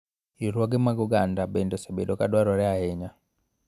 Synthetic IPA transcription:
iɾwɔɡɛmaɡuɡandabendɔsebedɔkadwaɾɔɾɛahɛɲa

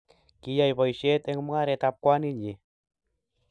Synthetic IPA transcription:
kijajβojʃet̪eŋmŋaɾet̪ap̚kwaniɲi

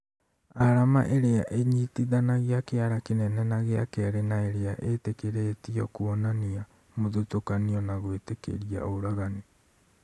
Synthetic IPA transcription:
aɾama̰ʔeɾeaʔeɲitiðanaɣeakeaɾakenɛnɛnaɣeakɛɾenaeɾeaʔetekeɾetiɔkuɔnania | moðotokaniɔnaɣwetekḛɾia̰oɾaɣani

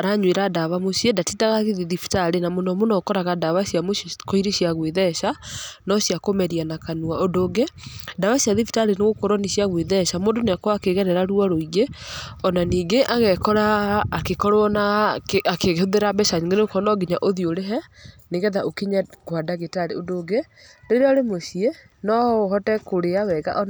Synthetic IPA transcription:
ɾaɲweɾadaβamosjɛdatidaɣaɣiðiðifi̥taɾenamonɔmonɔkɔɾaɣadaβasiamoʃkoiɾeɕiaɣweðɛʃanɔsjakomɛɾianakanuaondoːɡedaβasjaðifi̥taɾeneɣokɔɾɔniʃiaɣweðɛʃamoːndoneakwakeɣɛɾɛɾaɾuaɾoiɣeɔnaniːŋɡeʔaɣɛkɔɾaːkekɔɾoɔnaakeɣhoðeɾabɛʃaɲeŋɡeneokɔnɔɡiɲaʔoðioɾeɦɛ | neɣɛðaʔokeɲaɡwadaɣetaɾeodoːɡe | deɾeɔɾemoʃie | nɔohɔtɛkoɾeawɛɣa̰ʔɔn

